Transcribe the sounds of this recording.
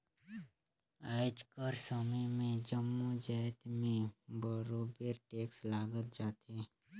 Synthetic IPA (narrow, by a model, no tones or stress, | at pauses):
aːɪd͡ʒkəɾsəməjmẽd͡ʒəmːud͡ʒɛɪt̪mẽbəɾoːbeɾʈeːkslaːɡət̪̚d͡ʒaːt̪e